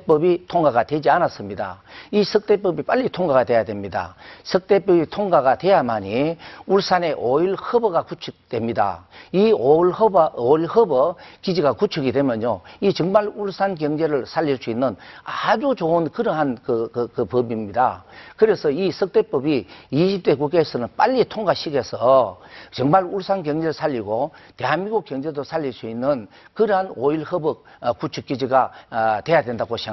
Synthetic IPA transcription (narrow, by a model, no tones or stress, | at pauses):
ep͈ʌbitʰoŋɡaɣadwe̞d͡ʑianas͈ɯmɲida̰isʰɯk̚t͈e̞p͈ʌbip͈aʎːitʰoŋɡaɡadwe̞jadwe̞mɲida̰sʰɯk̚t̪͈e̞p͈ʌbitʰoŋɡaɣadwe̞jamaɲiuɭs͈ʰane̞ʔoilhɯbɯɡakut͡ɕʰɯk̚twe̞mɲida̰ioɭhboiɭhɯbʌkid͡ʑiɡakut͡ɕʰuɡidwe̞mjʌɲoit͡ɕɯŋmaɭuɭsʰankjʌŋd͡ʑe̞ɾɯɭsʰaʎːiɭs͈uinːɯnad͡ʑut͡ɕoɯnkɯɾɯɦankɯkɯkɯpɯbimɲida̰kɯɾe̞sʰʌisʰɯk̚t͈e̞p͈ɯbiːɕʰip̚t͈e̞kuk̬͈eesʰɯnɯnp͈aʎːitʰoŋɡaɕʰiɡe̞sʰʌt͡ɕʌŋmaɭuɭs͈ʰankjʌŋd͡ʑe̞ɾɯɭsʰaʎːiɡote̞ɦanmiɡokjʌŋd͡ʑe̞dosʰaʎːiɭsuinːɯn | kɯɾɦanoilhɯbɯk̚ | kːut͡ɕʰuk͈ːid͡ʑiɡatwe̞jadwe̞ndaɡoɕʰi